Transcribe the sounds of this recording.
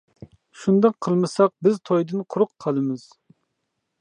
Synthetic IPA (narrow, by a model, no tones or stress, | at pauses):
ʃund̪ɑqʰːəlˠmɨsɑq̚bɪzt̪ʰojd̪ɨnqʰʊɾʊqʰːɑlˠɨmɨz̥